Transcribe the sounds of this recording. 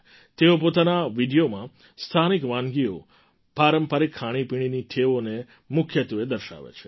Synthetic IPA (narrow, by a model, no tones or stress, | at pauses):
t̪eopot̪anaʋiɖijomã | st̪ʰanikʋãnɡio̰ | paɾəmpəɾikʰːaɽ̃ipiɽ̃iniʈ̪ʰeʋone | mʊkʰjət̪ʋed̪əɾʃa̰ʋḛt͡ʃʰe̥